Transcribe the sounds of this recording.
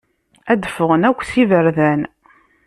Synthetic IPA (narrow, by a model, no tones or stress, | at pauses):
æd̪əfəʁənækʷːsivəɾðæn